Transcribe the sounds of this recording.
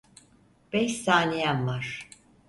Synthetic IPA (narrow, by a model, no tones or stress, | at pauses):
b̥ɛçsaːnijanvaɾ̥